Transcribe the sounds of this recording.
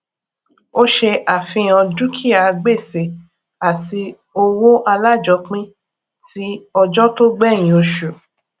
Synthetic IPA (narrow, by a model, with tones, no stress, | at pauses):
o˦ʃe˧ʔa˨fĩ˧ã˧du˦kʰi˦a˨˧ɡ͡be˦˨se˨ | a˨ti˧ | o˧wo˦ʔa˧la˦˨d͡ʒɔ˧˦k͡pĩ˦ | ti˦ɔ˧d͡ʒɔ˦to˦ɡ͡bɛ̃˦˨ĩ˨o˧ʃu˨